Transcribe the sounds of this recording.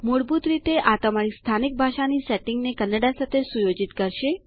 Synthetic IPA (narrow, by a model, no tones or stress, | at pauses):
moɽbut̪ɾit̪eʔat̪əmaɾist̪ʰanik̚bʱaʃanisɛʈɪŋɡnekənːəɖasat̪ʰesujod͡ʒit̪kəɾʃe